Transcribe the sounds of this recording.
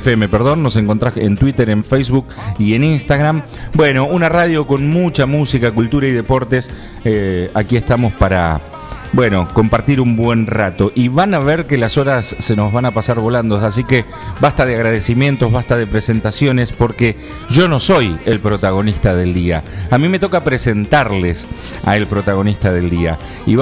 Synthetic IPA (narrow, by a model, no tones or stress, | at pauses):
feme̞peɾð̞o̞nːo̞se̞ŋko̞nt̪ɾaḛnt̪wit̪eɾe̞ɱfejsβukie̞ninst̪aɣɾam | bwe̞no̞unarað̞jo̞ko̞nmut͡ʃamusikakult̪uɾaiðe̞po̞ɾt̪es | eakie̞hst̪amo̞spaɾa̰ | bwe̞no̞ko̞mpaɾt̪iɾumbwe̞nrat̪o̞ʔiβanaβeɾke̞laso̞ɾasːeno̞zβanapasaɾβo̞land̪o̞sas̬ike | bast̪að̞eaɣɾað̞esimje̞nt̪o̞ɦβast̪að̞e̞pɾese̞nt̪asjo̞nespo̞ɾke | ʒo̞no̞so̞je̞lpɾot̪aɣ̞o̞nist̪að̞e̞ld̪ia̰amĩme̞t̪o̞kapɾese̞nt̪aɾles | a̰e̞lpɾo̞t̪aɣ̞o̞nist̪að̞e̞ld̪ia̰ | ḭ